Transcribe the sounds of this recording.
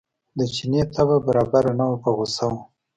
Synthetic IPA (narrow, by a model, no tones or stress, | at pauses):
d̪ət͡ʃinet̪ʰababaɾɑbaɾanawopaɣosaw